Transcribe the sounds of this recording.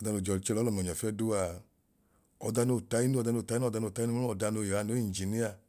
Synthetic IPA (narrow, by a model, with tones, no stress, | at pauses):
ɔ˧da˧no˧˨d͡ʒɔ˨˧li˧˦t͡ʃɛ˧lɔ˨˦lɔ˨m˨ɔ˨ɲ˨ɔ˨fɛ˦˧du˦a˧˨ | ɔ˧da˧no˧˨ta˧˦ji˦nu˦ɔ˧da˧no˧˨ta˧˦i˦˧da˧no˧˨ta˦nu˦u˦ɔ˧˨da˧no˧˨je˨a˧no˨˦i˦˨d͡ʒi˨ni˦a˧